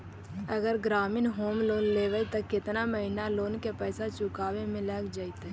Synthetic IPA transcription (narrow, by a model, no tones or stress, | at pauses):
ɐɡəɾɡɾaːmɪnɦoːmloːnleːʋəit̪əkːɪt̪naməɦɪnaloːnkepɛːsat͡ʃʊkaːwemɪ̃ləkd͡ʒait̪ɛ